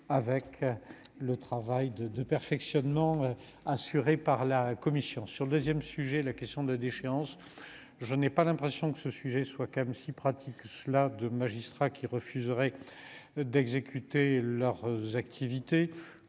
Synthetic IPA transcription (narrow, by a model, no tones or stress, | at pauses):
avɛk | lət̪χavajd̪əd̪əpɛʁfɛksjɔnmɑ̃ø | asyʁepaʁlakɔmisjɔ̃syʁləd̪øzjɛmsyʒɛlakɛst̪jɔ̃d̪əlad̪eʃeɑ̃s | ʒənɛpalɛ̃pχesjɔ̃kə̥səsyʒɛswakɛmsipχat̪ʰikːəsəlad̪əmaʒist̪χakʲʰiʁəfyzʁɛ | d̪ɛɡzekʲyt̪elœʁzakt̪ʰivit̪e